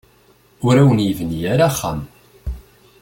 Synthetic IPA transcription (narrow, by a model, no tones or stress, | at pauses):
ʊɾæwənjəvənijæɾaχːə̰m